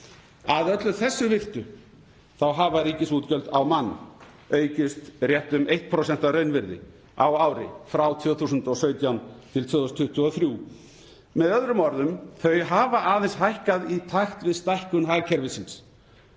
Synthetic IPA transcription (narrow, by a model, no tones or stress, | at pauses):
aðœt̪lʏθɛsːʏvɪr̥t̪ʏ | θawɦavaɾiːcɪsuːt̪cœlt̪awmanː | œːɥcʏst̪rjɛht̪ʏmejht̪̚pʰɾowsɛnt̪aɾœɥnvɪɾðɪ̰ | a̰wawɾɪ̰fɾawt̪ʰvʏːθuːsʏnt̪ɔsœːɥt̪jawnt̪ʰɪlt̪ʰvœðɔst̪ʰʏht̪ʏɔθɾjuː | mɛðœðɾʏmɔɾðʏmθœɥɦavaʔaːðɛnsɦajhkaðit̪ʰaxt̪vɪðst̪ajhkʏnɦaɣcʰɛɾvɪsɪns